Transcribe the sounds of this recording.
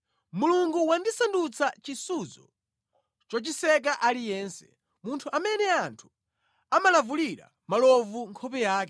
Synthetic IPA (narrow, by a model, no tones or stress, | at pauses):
muluŋɡuwandisandut͡sat͡ʃisuzɔ̰ | t͡ʃɔt͡ʃisɛk̬aʔalijɛːnsɛ̥ | muntʰuʔamɛnɛantʰu̥ | amalavuliɾa̰ | malɔvuŋkʰɔpɛjaːkɛ